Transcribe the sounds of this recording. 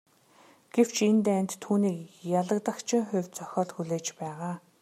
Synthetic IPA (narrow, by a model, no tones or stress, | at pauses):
ɡ̥ew̥t͡ɕʰent̪ænʲt̪ʰːuːniːkjaɮə̆kt̪ə̆kt͡ɕʰɪ̆ŋχʊwʲt͡sœxʲɔːɮxuɮeːt͡ɕpæːʁaː